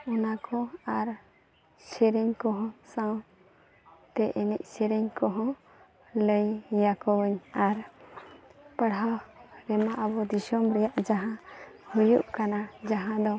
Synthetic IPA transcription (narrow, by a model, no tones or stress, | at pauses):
ɔnakɔaɾ | sɛɾɛɲkɔɦɔ̃sãw | t̪ɛʔinic̚ˀsɛɾɛɲkɔɦɔ̃ | ləjːakɔwəɲaɾ | pəɽɦaɾɛmaʔəbɔd̪isɔmɾɛjaʔd͡ʒaɦãhujṵʔkanad͡ʒaɦãd̪ɔ